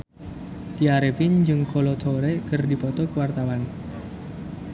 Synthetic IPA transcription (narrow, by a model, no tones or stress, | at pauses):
t̪iaɾefind͡ʒɨŋkʰɔlɔt̪ʰɔɾekərdipɔt̪ɔkəwart̪awan